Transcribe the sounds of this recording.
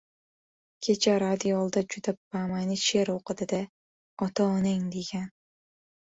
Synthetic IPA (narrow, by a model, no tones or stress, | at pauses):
kʲʰet͡ʃʰaɾad̪iolˠd̪ad͡ʒud̪abamajnɪʃeɾoqɨd̪ɪd̪a | ɒt̪ɒːneŋd̪eɡʲan